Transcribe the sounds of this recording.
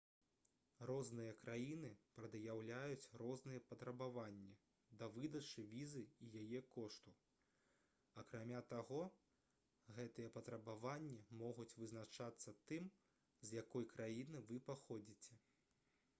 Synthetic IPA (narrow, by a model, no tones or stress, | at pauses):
rɔznɨjɐkɾajinɨpɾɐd̪jawlʲajut͡sʲrɔznɨjɛpɐt̪ɾɐbavanʲːi | d̪ɐvɨd̪ɐt͡ʂɨvʲizɨijajɛkɔʂt̪u | ɐkɾamʲat̪aɣɔ | ɣɛt̪ɨjɐpɐt̪ɾɐbavanʲːimɔɣut͡sʲvɨznat͡ʂat̪sːɐt̪ɨm | zjakɔjkɾʔajinɨvɨpaxɔd͡zʲit͡sʲɛ